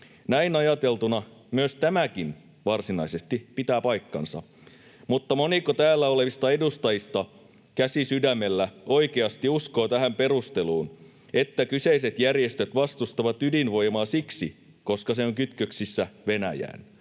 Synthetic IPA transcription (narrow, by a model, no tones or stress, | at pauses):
næinɑjɑt̪e̞lt̪unɑmyøst̪æmækin | ʋɑrsinɑise̞st̪ipit̪æːpɑjkːɑ̰nsɑ̰ | mut̪ːɑmonikot̪æːlːæole̞ʋist̪ɑedust̪ɑjist̪ɑ | kæsisydæmːe̞lːæo̞ikeɑst̪iusko̞ːt̪æɦæmpe̞rust̪e̞luːn | e̞t̪ːækyse̞is̬e̞t̪jærje̞st̪øt̪ʋɑst̪ust̪ɑʋɑt̪ydinʋo̞jmɑːsiksḭ | ko̞skɑseoŋkyt̪køksisːæʋe̞næjæ̰ːn